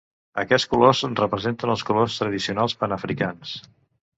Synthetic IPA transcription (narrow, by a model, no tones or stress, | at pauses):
ə̰kɛskulozənrəpɾəzent̪ənəlˠskulost̪ɾəð̞isiunalˠspənəfɾikans